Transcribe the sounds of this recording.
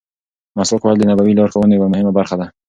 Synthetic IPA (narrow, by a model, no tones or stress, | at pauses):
masɔqhald̪ənabawilɑɾxawunewamʊhɪmabaɾxad̪a